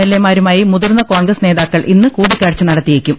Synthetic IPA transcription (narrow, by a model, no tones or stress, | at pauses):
ɐlːɐjmaːɾumaːjimuðɐrnːɐko̞ːɳɡrɐsne̞ːðaːkːɐɭʔinːɨkuːðikʲːaːɻit͡ɕːɨnɐɽɐt̪ːijeːkʲːum